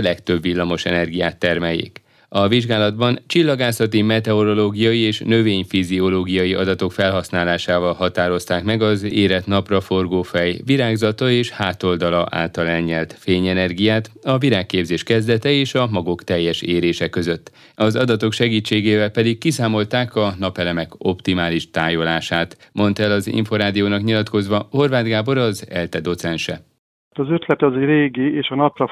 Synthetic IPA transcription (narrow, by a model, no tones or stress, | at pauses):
lɛkt̪ø̞bvilːɒmo̞ʃɛnɛrɡijaːt̪ːɛrmɛjḛːk | ɒviʒɡaːlɒd̪bɒnt͡ʃilːɒɡaːsɒt̪imɛt̪ɛo̞ɾo̞loːɡijɒjieːʃnø̞veːɲfizio̞loːɡijɒjiɒ̰d̪ɒt̪o̞kfɛlɦɒsnaːlaːʃaːvɒlɦɒt̪aːɾo̞st̪aːkmɛɡɒzeːɾɛt̪nɒprɒfo̞rɡoːfɛjviɾaːɡzɒt̪ɒeːʃhaːt̪o̞ld̪ɒlɒʔa̰ːlt̪ɒlɛlɲɛlt̪feːɲɛnɛrɡijaːt̪ɒviɾaːkːeːbzeːʃkɛzd̪ɛt̪ɛeːʃɒmɒɡokt̪ɛjːɛʃeːɾeːʃɛkø̞zø̞t̪ː | ɒzɒd̪ɒt̪o̞kʃɛɡiːt͡ʃːeːɡeːvɛlpɛd̪ikːisaːmo̞lt̪aːkɒnɒpɛlɛmɛko̞pt̪imaːliʃt̪aːjo̞laːʃaːt̪mo̞nt̪ɛlɒzḭɱfo̞ɾaːd̪ijoːnɒkɲilɒt̪ko̞zʋɒho̞rvaːd̪ɡaːbo̞ɾɒzɛ̰lt̪ɛd̪o̞t̪sɛnʃɛ̰ | t̪ɒzøt̪lɛt̪ɒzeɾeːɡieːʃɒnɒprɒ